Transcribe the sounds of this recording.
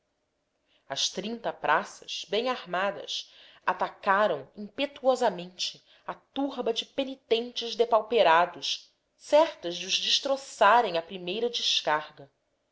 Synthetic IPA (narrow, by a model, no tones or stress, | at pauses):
ɐst̪ɾĩnt̪ɐpɾʔasɐ̥z̥bẽj̃aɾmad̪ɐ̰s | at̪akaɾɐ̃w̃ĩŋpet̪uɔzɐmẽnt͡ʃɪ | at̪uɾbɐd͡ʒɪpenit̪ẽnt͡ʃɪzd̪epawpeɾad̪ʊʃ | sɛɾt̪ɐzd͡ʒɪʊzd͡ʒɪʃt̪ɾosaɾẽj̃ɐpɾimejɾɐd͡ʒɪʃkaɾɡɐ